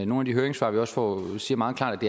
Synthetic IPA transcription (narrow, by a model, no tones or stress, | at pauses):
no̝ːnæd̥iɦøɐe̝ŋsʋɑ̰̈ːʋiɒ̽sfɒ̰siːɐmɑ̈ːð̩ˠkʰlɑ̰̈ːd̥æd̥e